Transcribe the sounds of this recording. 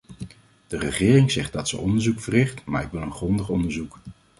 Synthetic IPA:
d̥ərəχɪːrɪŋzɛχt̚dɑtsəʔɔndəɹzukfərɪχtma̰ːɹɪkʋɪlˠənχrɔndəχɔndəɹzuk

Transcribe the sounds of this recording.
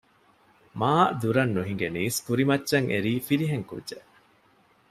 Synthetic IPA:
maːd̪uɾɐnːuɦiŋɡeniːskuɾimɐtːʃɐŋʔeɾiːfiɾiɦeŋkṵdʒeʔ

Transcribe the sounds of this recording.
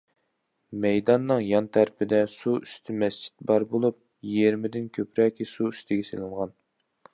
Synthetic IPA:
mɛjd̪ɑnːɨŋjɑnt̪ʰæɾpɪd̪ɛsuyst̪ʰɪmɛst͡ʃʰi̥t̪̚bɑɾbolˠup̚ | jeɾmɪd̪ɪnkʲʰøpɾɛkʲʰisuyst̪ʰɪɡʲɛselˠɨɴʁɑn

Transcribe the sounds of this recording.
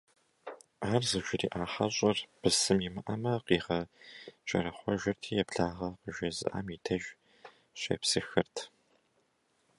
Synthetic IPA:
aːrzɨʒʷɪriːʔaːħɐɕʼɐrb̥ɨsɨmimɨʔɐmɐqiːʁɐt͡ʃʼɐ̰ɾɐχʷɔʒɐrtʰiːjɛpɬaːʁɐqəʒɐzɨ̰ʔa̰ːmiːtʰɐʒ | ɕʼḛpsɨxɨrtʰ

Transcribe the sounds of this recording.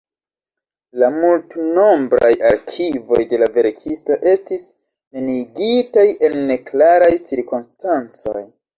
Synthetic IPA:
lamultno̞mbɾa̰ja̰ɾkʰivo̞jde̞lave̞ɾkʰisto̞ʔe̞stis | ne̞niɡitaje̞nːe̞klaɾajt͡siɾkonstant͡so̞̰j

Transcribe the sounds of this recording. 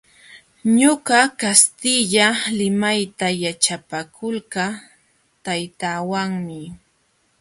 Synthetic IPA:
ɲoɢɑkast̪ɪʎalɪmajt̪ajat͡ʃapakʰʊlɢɑ | t̪ajt̪aːwaŋmɪ

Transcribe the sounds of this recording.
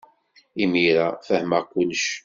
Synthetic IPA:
imiɾafəhməʁkʷʊlːʃ

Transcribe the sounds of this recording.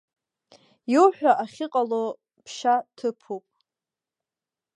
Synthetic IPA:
jowħᶣaʔaχʲɪqʼalo | pʰʃatʰɨpʰupʼ

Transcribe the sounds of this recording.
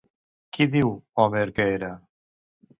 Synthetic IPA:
kiðiwɔmeɾkeeɾa

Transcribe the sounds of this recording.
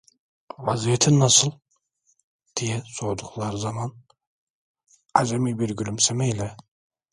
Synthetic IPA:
vazijet̪ʰinːasɯlˠ | d̪̥ijɛsoɾd̪uχlˠaɾɯzaman | ad̪emibiɾɡylymsemɛjlʲɛ

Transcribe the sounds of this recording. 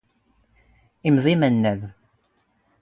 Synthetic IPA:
imzˤimənːæð

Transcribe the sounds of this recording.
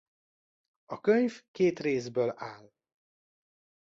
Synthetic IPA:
ɒkøɲvkeːt̪reːzbøːlaːl

